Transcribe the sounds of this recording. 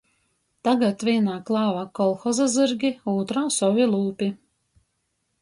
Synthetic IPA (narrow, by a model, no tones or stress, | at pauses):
t̪aɡat̪vʲiɛnaːklˠɑːvakɔlˠxɔzazɨɾɡʲiuːt̪ɾaːsɔvʲilˠuːpʲi